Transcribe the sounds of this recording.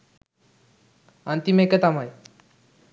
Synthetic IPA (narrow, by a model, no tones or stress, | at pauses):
ant̪imeket̪amaj